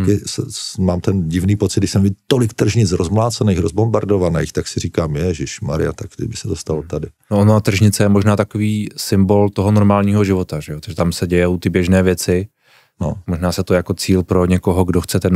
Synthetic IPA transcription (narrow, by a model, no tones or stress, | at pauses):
kɪsɛmaːmt̪ɛnɟɪvniːpot͡sɪd̪dɪʃsɛmvɪdt̪olɪkt̪r̩ʒɲɪt͡sɾozmlaːt͡sɛnɛːxɾozbombaɾdovanɛ̰ːxt̪aksɪriːkaːmjɛʒɪʃmaɾɪ̰jat̪akt̪ɪ̰bɪsɛt̪ost̪alot̪adɪnoʔonot̪r̩ʒɲɪt͡sɛjɛmo̞ʒnaːt̪akoviːsɪmbo̞lt̪oɦono̞ɾmaːlɲiːɦo̞ʒɪvo̞t̪aʒɛjot̪ḁʒɛt̪amsɛɟɛjɛʔut̪ɪbjɛʒnɛːvjɛt͡sɪ | nomoʒnaːsɛt̪ojako̞t͡siːlpɾo̞ɲɛko̞ɦoɡdoxt͡sɛt̪ɛn